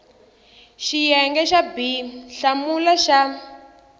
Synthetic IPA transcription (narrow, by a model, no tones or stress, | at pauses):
ʃijɛŋɡɛʃabiɬamulaʃa